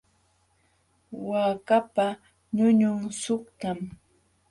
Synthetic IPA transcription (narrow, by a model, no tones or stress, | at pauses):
waːkapa | ɲʊɲʊŋsʊkt̪am